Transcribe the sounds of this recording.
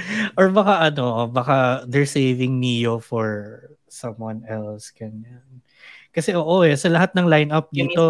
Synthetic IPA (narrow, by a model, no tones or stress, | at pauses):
ʔoɹbɐkaʔɐno̞bɐkad̪ɛɹsejvɪŋmijofɔɹ | sɐmwɐnɛlsɡ̥ɐɲjan | kɐsɛʔoːʔo̞ʔɛsɐlɐɦat̪̚nɐŋlajnɐp̚d̪iːt̪o̞